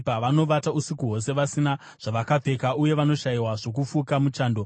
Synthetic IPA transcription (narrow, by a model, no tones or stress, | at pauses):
paʋano̞ʋatausikuɦo̞s̬e̞ʋasina | ʐ̥aʋakab͡ve̞kauje̞ʋano̞ʃaiwaʐo̞kufukamut͡ʃaːndo